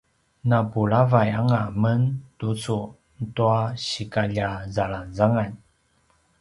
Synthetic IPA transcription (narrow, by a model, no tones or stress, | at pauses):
napuɭavajaŋaməntut͡su | ntuaɕikaʎazaɭanzaŋaɲ